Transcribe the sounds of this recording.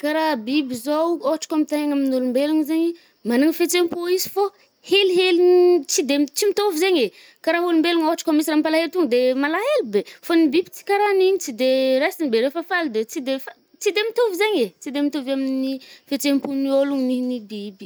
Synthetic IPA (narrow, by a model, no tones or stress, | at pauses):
kaɾabibizowoaʈ͡ʂḁkamit̪aɦaŋaminolumbeluŋzeɲi | manuŋifet͡sempoizi̥fo | heliɦelit͡sid̪emt͡simit̪ovizeɲe | kaɾaɦolumbeluŋoaʈ͡ʂḁkamisiɾampalaɦeɾt̪uŋəd̪emalaɦelibefonibibit͡si̥kaɾaniɲit͡sid̪eɾasinibeɾefafalid̪et͡sid̪efa | t͡sid̪emit̪ovizeɲet͡sid̪emit̪ovaminifet͡sempunioluŋninibibi